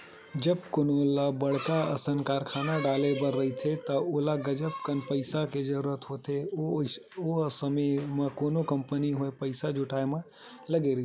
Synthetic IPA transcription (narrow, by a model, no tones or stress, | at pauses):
d͡ʒəb̚koːnolabəɽ̤kaɐsənkaːɾkʰaːnaɖaːlebəɾːɐɦit̪ʰet̪ɐolaɡɐd͡ʒəpkənpəɪsaked͡ʒəɾuːɾət̪ɦot̪ʰe | osəmemẽkoːnokɐ̃mpəniɦoepəɪsad͡ʒʊʈʰaːemə̃ | lɐɡeɾɐɦi